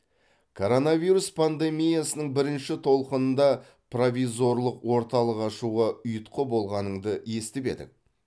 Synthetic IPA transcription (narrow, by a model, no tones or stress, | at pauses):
kʰo̞ɾo̞navʲiɾuspʰand̪e̞mʲijasənəɴbɪɾɪnʃɪt̪ʰo̞lˠqənənd̪ɑ | provʲizo̞ɾlˠəqwo̞ɾt̪ɑlˠəqɑʃuʁɑʏjət̪qʰəbo̞lˠʁɑnəɴd̪əje̞st̪ɪbe̞̰d̪ɪ̰k̚